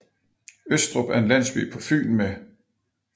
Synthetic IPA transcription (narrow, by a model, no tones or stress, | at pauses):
øsd̥ʁɔb̥æɐe̝nlæn̰sb̥ḭːpʰɒ̽fy̰ːn̩me